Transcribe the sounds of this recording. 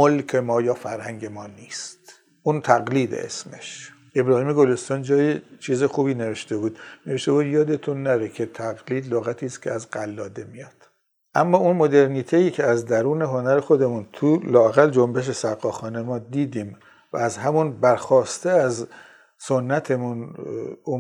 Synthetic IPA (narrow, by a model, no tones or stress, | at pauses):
molkʰe̞mɒːjɒːfæɾhæŋɟe̞mɒːniːst̪ | ʔuːnt̪ʰæɣliːd̪ḛʔḛsme̞ʃ | ʔe̞bɾɒːhiːmeɡolest̪ɒːnd͡ʒɒːjet͡ʃʰiːzexuːbiːne̞ve̞ʃt̪e̞buːd̪ne̞veʃt̪e̞buːd̪jɒːd̪et̪ʰunːæɾekʰe̞t̪ʰæɣliːd̪loɣæt̪ʰiːst̪cʰeæzɡælːɒːd̪e̞mijɒːd̪̥ | ʔæmːɒːunmod̪e̞ɾniːt̪ʰejiːcʰeæzd̪æɾuːne̞ɦo̞næɾexo̞d̪e̞munt̪ʰulɒːæɣæld͡ʒombeʃ̬e̞sæɾɣɒːxɒːnemɒːd̪iːd̪iːm | væ̰æzhæmunbæɾxɒːst̪eæz | sonːæt̪ʰe̞munu